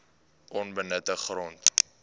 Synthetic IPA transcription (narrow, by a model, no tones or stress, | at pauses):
ʔɔnbənətəχrɔnt